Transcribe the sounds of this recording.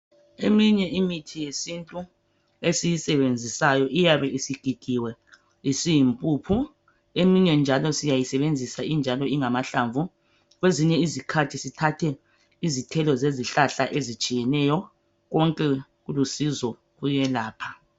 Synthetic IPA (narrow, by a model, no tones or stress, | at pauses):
emiɲɛʔimitʰijesintʼu | esijisɛβend͡zʱisajɔʔijaβɛʔisiɡ̥ʱiɡ̥ʱiwɛ | isijimpʼuːpʰu | emiɲɛnd͡ʒʱalɔsijajisɛβend͡zʱisaind͡ʒʱalɔiŋamaɬaːɱvu | ɣweziɲɛizikʰatʰisitʰatʰɛ | izitʰɛlɔzeziɬaɬaʔezit͡ʃʼijɛnɛjɔ | ɣɔŋkʼɛɣulusizɔ | ɣujɛlaːpʰḁ